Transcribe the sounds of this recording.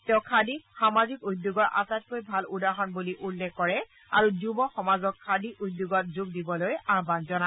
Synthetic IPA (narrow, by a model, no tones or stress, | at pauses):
tɛʊ̃kʰadixamazikudːuɡɔɹʔa̰sat̚kojbʱaludaɦɔnbuliʔulːɛkːɔɹɛ | a̰ɹuzubɔxɔmazɔkʰːadiʔud̪ːjoɡɔt̚zuɡdibɔlojaɹbanzɔna